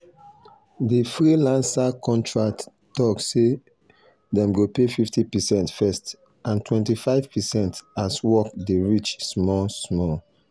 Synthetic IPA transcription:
difɹilãnsakɔ̃ntʰɹak̚t | tɔkse | dɛ̃mɡopefiftipɛsɛ̃ntfɛst | ãntʰwɛ̃ntifaɪv̥pɛsɛ̃ntaswɔkdeɹit͡ʃsmɔsmɔl

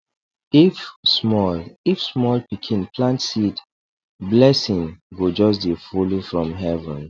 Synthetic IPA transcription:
ifsmɔlifsmɔlpikʰĩnplãntsit | blɛsĩŋɡod͡ʒɔs̬defolofɹɔ̃mɦɛvə̰̃n

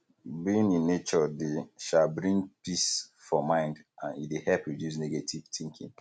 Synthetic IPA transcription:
biĩnĩnːet͡ʃɔdeʃalbɹĩŋpisfɔmãɪ̃ndãnidehɛlpɹidjus̬neɡetʰiv̥tĩŋkʰḭ̃ŋ

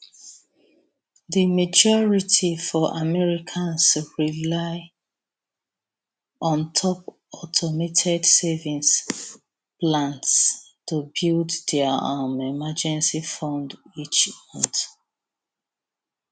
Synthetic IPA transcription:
ðimad͡ʒɔɹitʰifɔʔamɛɹikʰãnsɹilaɪ | ɔ̃ntʰɔp | ɔtʰɔmetʰɛdsɛvĩns | plãnts | tubilddɛamɛmad͡ʒɛ̃nsifɔ̃ndit͡ʃmɔ̃t

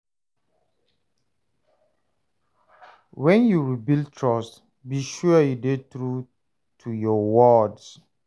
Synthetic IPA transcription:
wɛ̃njuɹibiltʰɹɔst | biʃuajudetɹu | tʰujɔwɔds

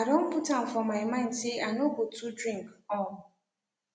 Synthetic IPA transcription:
adom̩pʊtam̩fɔmaɪmãɪ̃ndseanobotudɾĩŋkɔl

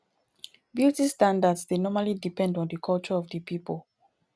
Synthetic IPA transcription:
bjutistãndadsdenɔmalidipɛ̃ndɔ̃ndəkʰɔlt͡ʃəɔvdəpʰipəl

